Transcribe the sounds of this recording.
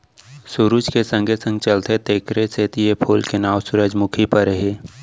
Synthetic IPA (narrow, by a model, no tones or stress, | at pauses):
sʊɾuːd͡ʒkesə̃ŋɡʱesə̃ŋɡt͡ʃɐlt̪et̪eːkɾeseːt̪ijepʰoːlkenaːʋsʊɾəd͡ʒmʊkʰipɐɾəɦeː